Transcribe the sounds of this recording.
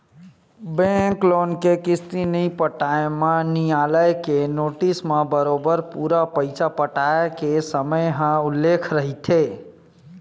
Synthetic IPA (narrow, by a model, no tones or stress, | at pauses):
bẽklonkekist̪inəjpəʈaemenijaləjkenoʈismebəɾobəɾpuɾapəɪt͡ʃapəʈaekesəməjɦə̃ulːekʰɾəɦit̪ʰe